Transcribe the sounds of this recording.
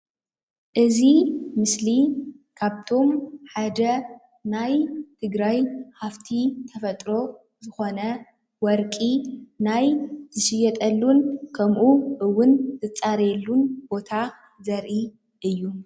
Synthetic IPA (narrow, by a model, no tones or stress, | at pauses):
ʔɨzimɨslikʰaβt̪ʰo̞mħad̪ɐ | najt̪ʰɨɡɾajhaft̪ʰit̪ʰɐfɐt̪ʼɾo̞ | zɨxo̞nɐ | wɔɾkʼinajz̥ɨʃɪjɛt̪ʼɐlːunkʰɐmʔuʔɨwːʊnzɨt͡sʼaɾelːunb̥o̞t̪ʰa | zɐɾʔi | ʔɨjːu